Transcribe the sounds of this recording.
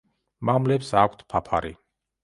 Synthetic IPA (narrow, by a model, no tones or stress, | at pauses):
mamlɛpsakʷʰt̪ʰpʰapʰaɾḭ